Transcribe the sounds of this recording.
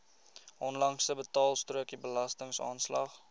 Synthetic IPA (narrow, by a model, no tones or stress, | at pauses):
ʔɔnlɐŋsəbətɑːlˠstruəkibəlɐstəŋsɑ̰ːnslɐ̰χ